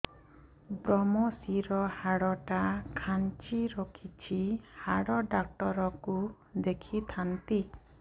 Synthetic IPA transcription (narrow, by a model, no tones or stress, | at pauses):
bɾɔmɔsiɾɔhaɽɔʈakʰant͡ʃiɾokʰit͡ʃʰihaɽɔɖak̚ʈɔɾɔku | d̪ekʰit̪ʰant̪i